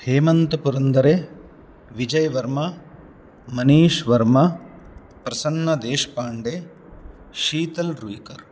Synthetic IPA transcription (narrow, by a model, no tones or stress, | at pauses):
heːmɐnt̪ɐpuɾɐnd̪ɐɾe | ʋid͡ʒɐjɐʋɐɾmɐ | mɐniːʃʋɐɾmɐ | pɾɐsɐnːɐd̪eːʃpaːɳɖe | ʃiːt̪ɐlɾuikɐɾ